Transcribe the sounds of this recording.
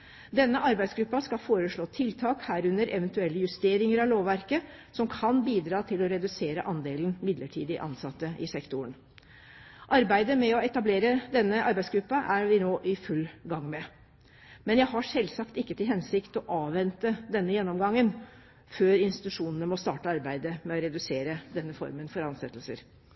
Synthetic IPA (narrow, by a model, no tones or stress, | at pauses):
d̪ɛnːəʔɑɾbæɪd̪sɡɾʉpːɑskɑfoːɾəʂɭoːt̪ʰɪlt̪ʰɑːkhæːɾʉnəɾʔɛʋənt̪ʉɛlːəjʉst̪eːɾɪŋəɾɑʋloːʋʋæɾkə | sɔmkʰɑnbiːd̪ɾɑːt̪ʰɪlɔɾɛd̪ʉseːɾəʔɑnd̪eːlnmɪd̪ləʈʰḭːd̪ɪʔɑ̰nsɑt̪ːəʔɪsɛkt̪ʊəɳ | ʔɑɾbæɪd̪əmɛɔɛt̪ɑbleːɾəd̪ɛnːəʔɑɾbæɪsɡɾʉpːɑʔæɾʋɪnoːʔɪfʉlːɡɑŋːmɛ | mɛnjæɪɦɑʂɛlsɑkt̪ɪkːət̪ɪlɦɛnsɪkt̪ɔʔɑːʋːɛnt̪əd̪ɛnːəjɛnːɔmɡɑŋːən | føːɾɪnst̪ɪ̥t̪ʉʂuːnənəmɔst̪ɑ̰ːʈəɑɾbæɪd̪əmɛɔɾɛd̪ʉseːɾəd̪ɛnːəfɔ̰ɾmənfɔɾɑnsɛt̪ːlsə̰ɾ